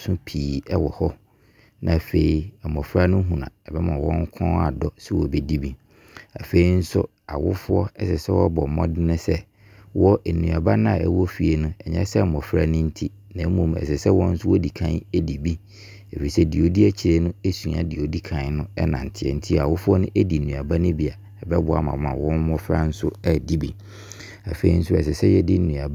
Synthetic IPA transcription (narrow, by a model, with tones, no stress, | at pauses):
sʊ̃˦pʰiː˨ɛ˦wɔ˨hɔ˦ | nã̰˨fe˨i˨mɔ̃˨fɾa˦nʊ̃˦ɦũ˨nã̰˨ɛ˨bɛ˦mã˨wɔ̃˦ŋ˦kʰɔ̃˦a̰˨dɔ˦sɛ˦wɔ˨bɛ˦di˦bi˦ | a˨fe˨i˦n̩˦sʊ̰˦ | a˨wʊ˦fʊ˦ɔ˦ɛ˦sɛ˨sɛ˦wɔ˦bɔ˨mɔ̰̃˦dɪ˦nɪ̃˦sɛ˦ | wɔ˦ʔe˨nũ˨a˨ba˦nʊ̃˦a˨ɛ̰˦wɔ˦fi˨e˨nʊ̃˦ɛ˨ɲɛ̰̃˦sɛ˦˨mɔ̃˨fɾa˦nɪ̃˦n̩˦tʰi˦ | nã˨˦mũ˦˨m˨ɛ̰˨sɛ˨sɛ˦wɔ̃˦n̩˦sʊ˦wɔ˦di˨kʰã˦ne˦di˨bi˦ | e˨fi˨sɛ˦di˨o˨di˦æ˦t͡ɕʰɪ˨ɾe˦nʊ̃˦e˦sũ˨a˨di˨o˨di˦kʰã˨n˦nʊ̃˦ɛ˦nã̰˨n̩˨tʰɪ˦˨ɛ̰˨n̩˦tʰi˦˨a˨wʊ˦fʊ˦ɔ˦nʊ̃˦ʔe˦di˨nũ˨a˨ba˦nʊ̃˦bi˨a˨ | ɛ˨bɛ˦bʊ˨a˨mã˨mã˨wɔ̃˦n˦mɔ̃˦fɾa˦n̩˦sʊ˦ɛ˦di˦bi˨ | a˨fe˨˦i˦n̩˦sʊ˦ɛ̰˨s̬ɛ˨sɛ˦jɛ˦dɪ˦n̩˦nũ˨a˨ba˦